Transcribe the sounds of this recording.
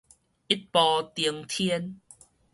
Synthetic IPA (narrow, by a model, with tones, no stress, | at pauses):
i˦˥t̚pɔ˧t̪i˨˧əŋt̪ʰi˦ən